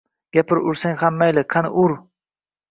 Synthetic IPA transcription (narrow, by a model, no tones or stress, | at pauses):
ɡ̥ʲapʰɪɾʊɾsaŋhamːajlɪkʰanʊɾ